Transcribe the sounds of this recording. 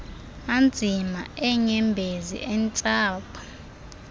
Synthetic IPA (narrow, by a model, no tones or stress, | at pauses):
and͡zʱimaɛŋɛmbʱezḭʔɛnt͡sʼaːpʰɔ̥